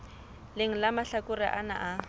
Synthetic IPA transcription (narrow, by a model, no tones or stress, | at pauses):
lɪŋ̩lamaɬakʊrɪʔana̰ʔa